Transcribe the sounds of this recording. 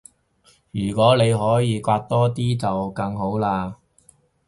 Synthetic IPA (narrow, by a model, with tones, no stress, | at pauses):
jyː˨˩kʷɔː˨˥le˨˧jɦɔː˨˥jiː˨˧kʷwaː˧t̚t̪ɔː˥t̪iː˥t͡sɐ˨wkɐ˧ŋɦo˨˥wlaː˧